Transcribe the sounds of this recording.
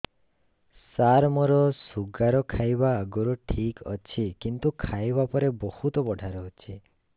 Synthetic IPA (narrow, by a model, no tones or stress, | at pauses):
saɾmɔɾɔsuɡaɾɔkʰajbaːɡoɾɔʈʰikɔ̰t͡ʃʰikint̪ukʰajbapɔɾebɔhut̪ɔbɔɖʱaɾɔɦot͡ʃʰi